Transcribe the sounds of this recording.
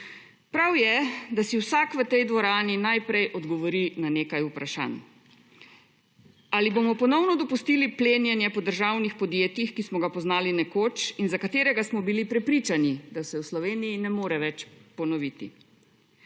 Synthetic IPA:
pɾawjɛd̪asiwsaːkʋət̪ɛjd̪ʋɔɾaːninajpɾɛjʔɔd̪ɡɔʋɔɾinaneːkajupɾaʃa̰ːn | alibomɔpɔnɔwnɔd̪ɔpust̪iːlipleːnjɛnjɛpɔd̪əɾʒaːwnixpɔd̪jeːt̪ixkismɔɡapɔznaːlinɛkoːt͡ʃinzakat̪eːɾɛɡasmɔbilipɾɛpɾit͡ʃanid̪asɛwslɔʋeːnijinɛmoːɾɛʋɛt͡ʃpɔnɔʋit̪i

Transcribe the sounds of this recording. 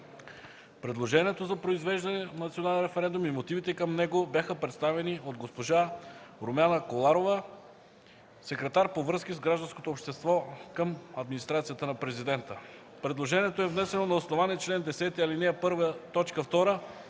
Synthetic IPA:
pɾɛd̪lˠoʒɛniɛt̪ozɐpɾoizvɛʒd̪ɐnɛnɐt̪sionalˠʲɛnɾɛfɛɾɛnd̪umimot̪ivit̪ɛkəmnɛɡobʲjaxəpɾɛt̪st̪avɛniod̪ɡospoʒaɾomanəkolˠaɾovə | sɛkɾɛt̪aɾpovɾɤskizɡɾaʒd̪ɐ̃nskot̪opʃt̪ɛst̪vɔkəmɐd̪minist̪ɾat̪sijət̪ənɐpɾɛzid̪ɛnt̪ə | pɾɛd̪lˠoʒɛniɛt̪oɛvnɛsɛnonɐosnovaniɛt͡ʃlɛnd̪ɛsɛt̪iɐlinɛɛpɤɾvət̪ɔt͡ʃkəft̪ɔɾə

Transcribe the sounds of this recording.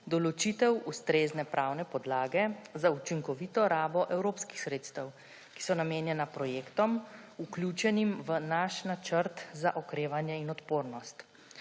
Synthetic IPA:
d̪ɔlɔt͡ʃit̪ɛwust̪ɾeːznɛpɾʔaːwnɛpɔd̪laːɡɛzaut͡ʃiŋkɔʋiːt̪ɔɾaːbɔʔɛwɾoːpski̥xsɾeːt̪st̪əw | ki̥sɔnameːnjɛnapɾɔjeːkt̪ɔmuklʲjuːt͡ʃɛnimʋənaʃnat͡ʃəɾt̪zaʔɔkɾeːʋanjɛinɔt̪poːɾnɔst̪

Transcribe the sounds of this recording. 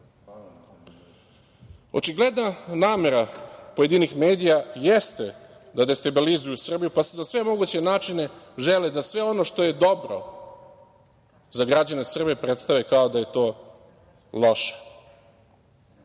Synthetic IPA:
o̞t͡ʃiɡle̞d̪nanaːme̞ɾapoje̞d̪inixme̞ːd̪ijajest̪e̞ | d̪ad̪est̪abilizujusr̩bijupased̪asʋe̞mo̞ɡut͡ɕe̞naːt͡ʂine̞ʒeled̪asʋe̞o̞no̞ʂt̪o̞je̞d̪o̞bɾo̰ | zaɡɾad͡ʑane̞sr̩bepɾet̪st̪aʋekaod̪aje̞t̪o̞ː | lˠoʃe̥

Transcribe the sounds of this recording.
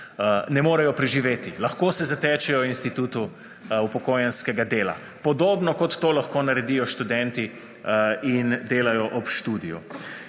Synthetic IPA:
nɛmoːɾajɔpɾɛʒiʋeːt̪ilɐxkoːsɛzat̪ɛːt͡ʃɛjɔwinst̪it̪uːt̪u | upɔkoːjanskɛɡad̪eːla̰ | pɔd̪oːbnɔkɔt̪ːoːlaxkoːnaɾɛd̪ijɔʃt̪ud̪ɛnt̪i | ind̪eːlajɔʔɔpʃt̪uːd̪ijṵ

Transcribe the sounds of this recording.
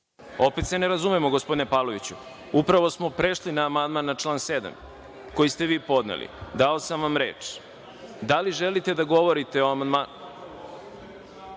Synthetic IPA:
o̞pet̪se̞neɾazumemoɡospo̞d̪inepalˠo̞ʋit͡ɕu | upɾaʋo̞smo̞pɾeʃlinaːmand̪maːnːat͡ʃlˠaːnsed̪a̰m | ko̞jist̪e̞ʋiːpo̞d̪nḛlḭd̪aosamʋamɾḛːt͡ʂ | d̪aliʒelit̪e̞d̪aɡo̞ʋo̞ɾit̪e̞o̞amand̪man

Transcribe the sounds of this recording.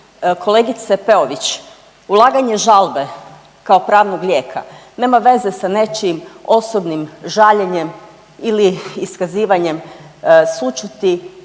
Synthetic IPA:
kʰo̞le̞ɡit̪sepe̞oʋit͡ɕ | ulˠaːɡaɲe̞ʒalˠbe̞ | kao̞pɾaːʋnoɡlʲjeːkʰa̰ne̞ːmaʋe̞ze̞sane̞t͡ʃimo̞sobnimʒaʎeɲe̞m | iliːskaziːʋaɲe̞msut͡ʃut̪i

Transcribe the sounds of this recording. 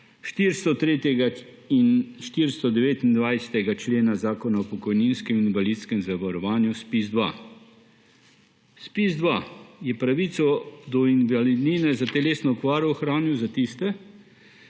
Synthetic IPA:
ʃt̪iɾst̪ɔt̪ɾeːt̪jɛɡa | inʃt̪iɾst̪ɔd̪ɛʋeːt̪ind̪ʋajsɛ̥t̪ɛɡat͡ʃleːnazaːkɔnaɔpɔkɔjninskɛminʋaliːt̪skɛmzaʋaɾɔʋaːnjuspizd̪ʋa̰ | spizd̪ʋajɛpɾaʋit̪sɔd̪ɔinʋalid̪niːnɛzat̪ɛleːsnɔɔkʋaːɾɔɔxɾaːnjuwzat̪ist̪ɛ

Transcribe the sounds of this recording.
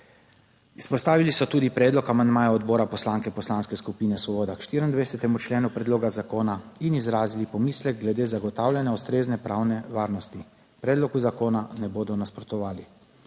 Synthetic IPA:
ispɔst̪aːʋilisɔt̪uːd̪ipɾɛːd̪lɔkamand̪maːjaɔd̪boːɾapɔslaŋkɛpɔslaːnskɛskupiːnɛsʋɔboːd̪akʃt̪iːɾind̪ʋɛjsɛt̪ɛmut͡ʃleːnupɾɛd̪loːɡazakoːnainizɾaːzilipɔmiːslɛɡ̚ɡlɛd̪eːzaɡɔt̪awlʲanjaust̪ɾeːznɛpɾʔawnɛʋaːɾnɔst̪i | pɾɛːd̪lɔkuzakoːnanɛboːd̪ɔnaspɾɔt̪ɔʋaːli

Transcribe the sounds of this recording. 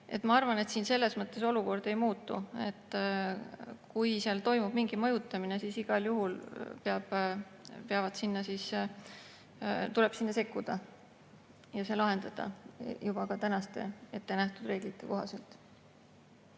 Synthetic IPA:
e̞̰t̪ːˑmɑɑrvɑne̞t̪siːnse̞lːe̞smɤt̪ːˑe̞so̞luko̞rd̪̥e̞jmuːt̪ːˑṵe̞̰t̪ː | kujseɑlt̪o̞jmub̥miŋɡ̥imɤjut̪ːˑɑmine̞siːsiɡ̥ɑljuɦulpeɑb̥ | peɑvɑd̪̥sinːɑsiːs | t̪ule̞b̥sinːɑse̞kːud̪̥ɑ | jɑselɑɦe̞nd̪̥ɑd̪̥ɑ̰jub̥ɑkɑt̪ænɑst̪e̞e̞t̪ːe̞næht̪ud̪re̞ːɡ̥lit̪ːeko̞ɦɑse̞lt̪

